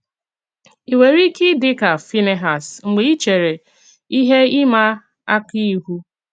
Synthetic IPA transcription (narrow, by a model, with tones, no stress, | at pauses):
i˨we˨ɾi˦kɪ˦dɪ˦ka˨fi˦ne˨ɦa˨sŋ͡m̩˨ɡ͡be˨˦i˦t͡ʃe˨ɾe˨ | i˦ɦe˦ɪ˦ma˦ | a˦ki˦ɦu˦